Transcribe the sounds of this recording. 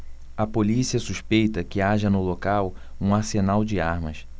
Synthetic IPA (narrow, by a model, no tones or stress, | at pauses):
ɐpolisiɐsuʃpejt̪ɐkɪaʒɐnʊlokaw | ũaɾsenawd͡ʒɪaɾmɐ̰s